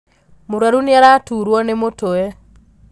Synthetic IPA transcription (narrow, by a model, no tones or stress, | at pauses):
moɾwaɾuniaɾatuɾwɔnemotoɛ